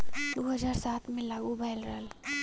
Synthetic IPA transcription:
d̪oɦəd͡ʒaːɾsaːt̪ʰmẽlaːɡubʱaɪlɾəɦəl

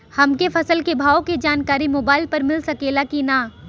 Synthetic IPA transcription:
hɐmkefʰɐsəlkebʱaːoked͡ʒaːnkaːɾimoːbaːɪlpɐɾmɪlsɐkeːlakinaː

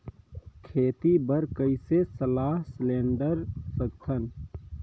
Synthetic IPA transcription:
kʰeːt̪ibəɾkəɪsesəlaːɦslẽːɳɖəɾsəɡt̪ʰən

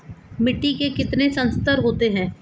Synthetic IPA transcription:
mɪʈːikekɪt̪nesɐ̃nst̪əɾɦoːt̪eɦɛ̃ː

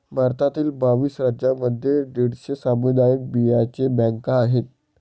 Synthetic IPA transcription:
maɾt̪ʰat̪iːlbaʋiːsɾad͡ʑaməd̪ʱːjeɖiɽɕəsamud̪ajək̚biat͡ɕebɛ̃ŋkaːɦet̪̚

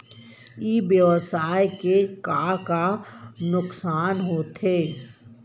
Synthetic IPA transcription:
ibjəʋəsaːjkekaːkanʊksaːnɦot̪ʰeː

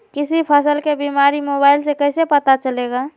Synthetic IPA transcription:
kisipʰəsəlkebimaɾimobaɪlsekəɦsepət̪at͡ʃəleɡa

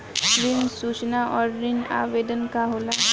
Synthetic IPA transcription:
ɾinsut͡ʃnaʔɔɾːina̰ʋed̪ənkaɦola

